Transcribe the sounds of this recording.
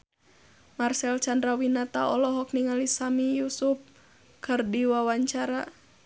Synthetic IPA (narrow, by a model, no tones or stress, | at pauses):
marsɛlt͡ʃandɾawinat̪aʔɔlɔɦɔk̚niŋalisamijusup̚ | kɨrdiwawaɲt͡ʃaɾa